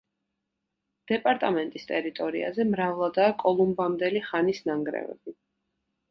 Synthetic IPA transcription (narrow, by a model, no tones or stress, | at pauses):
d̪̥ɛpʼaɾt̪ʼamɛnt̪ʼist̪ʼɛɾit̪ʼɔɾḭa̰zɛmɾavlˠad̪aːkʼɔlˠumbamd̪ɛliχanisnaŋɡɾɛ̰vɛ̰b̥i